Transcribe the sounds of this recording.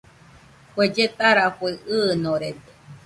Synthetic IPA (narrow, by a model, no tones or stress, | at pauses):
kʷed͡ʒet̪aɾaɸʷeɨnõɾed̪e̥